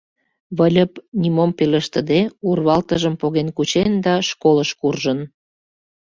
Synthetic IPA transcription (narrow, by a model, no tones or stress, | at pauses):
βəlʲəpnʲimompeləʃt̪ə̆d̪eurβɑlt̪əʒəmpoɣenkut͡ɕend̪ɑʃkoləʃkurʒən